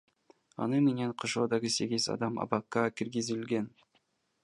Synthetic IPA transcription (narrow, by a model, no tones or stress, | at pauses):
ɑ̰nɯmenenqʰoʃoːd̪ɑʁəse̞ɡʲizɑ̰d̪ɑmɑ̰bɑqːɑkʲʰiɾɡʲizɪlɡʲen